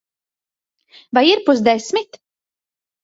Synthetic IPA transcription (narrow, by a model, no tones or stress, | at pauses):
vajiɾpuzd̪ɛsmit̪